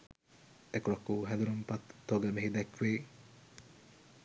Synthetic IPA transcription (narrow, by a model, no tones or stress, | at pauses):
ekuɾɐkːuːɦɛ̃nd̪uɾumpat̪ːoɡəməɦid̪ækʋeː